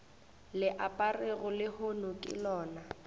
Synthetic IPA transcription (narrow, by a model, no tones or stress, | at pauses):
lɪʔapʼareɣʊlɪhonʊkʼɪ̰lɔːna